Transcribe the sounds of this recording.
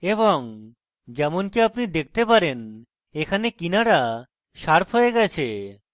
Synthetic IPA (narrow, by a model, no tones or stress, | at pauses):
ebɔŋ | d͡ʑɛmonkiapnid̪ek̚ʰt̪epaɾen | ekʰanekinaɾa | ʃaɾpʰɦoeɡɛt͡ɕʰḛ